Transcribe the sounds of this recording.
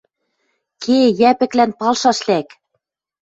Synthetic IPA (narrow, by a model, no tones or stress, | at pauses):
kʰejæpɘ̆klænpɑlˠʃɑʃlæk